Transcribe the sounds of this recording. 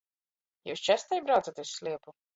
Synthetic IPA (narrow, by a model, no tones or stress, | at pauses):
jṵːst͡ʃæst̪ɛjbɾawt̪sat̪usslʲiɛpu